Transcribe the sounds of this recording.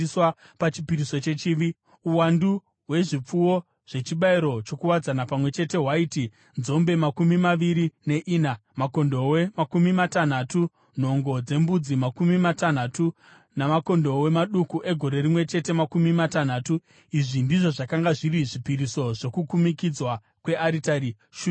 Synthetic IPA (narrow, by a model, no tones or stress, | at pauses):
swa | pat͡ʃipiɾiso̞t͡ʃe̞t͡ʃiʋi | uwandu | ɦwe̞ʐip͡fuwo̞ | ʐ̥e̞t͡ʃiɓaiɾo̞t͡ʃo̞kuwad͡zanapamwe̞t͡ʃe̞te̞ɦwaiːti | nzo̞mbe̞makumimaʋiɾine̞ʔiːnamako̞ndo̞wemakumimatan̤atu | n̤o̞ŋɡo̞d͡ze̞mbud͡zimakumimatan̤atu | namako̞ndo̞we̞maɗukuʔe̞ɡʱo̞ɾe̞rimwe̞t͡ʃe̞te̞makumimatan̤aːtu | iʐindiʐo̞ʐakaŋɡaʐiɾiʐipiɾiso̞ʐo̞kukumikid͡zwa | kwe̞ʔaɾitai | ʃu